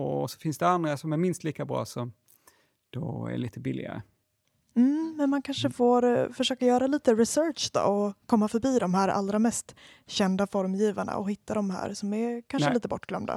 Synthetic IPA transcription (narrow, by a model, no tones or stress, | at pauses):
ɔsɔ̥fɪnsd̪ɛand̪ɾasɔmæɾmɪnst̪liːkabɾɑ̰ːsɔm | d̪̥ɔæ̰ɭiːt̪əbɪlːɪ̰ɡa̰ɾə̰ | m̩mɛnmankʰanʂəfoːɾfœʂøːkajœːɾaliːt̪əɾɪsœɾʂd̪ɔ̰ːɔkʰɔmːafœɾbiːd̪ɔmɦæːɾa̰lːɾamɛst̪ | ɕɛnd̪afɔɾmjiːvaɳa̰ɔhɪt̪ʰːad̪ɔmɦæ̰ːɾsɔmæɾkʰanʂəliːt̪əbɔʈːɡ̥lœ̰md̪a̰